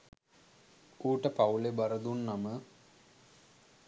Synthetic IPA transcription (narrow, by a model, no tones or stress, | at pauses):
uːʈəpawlebɐɾəd̪unːamə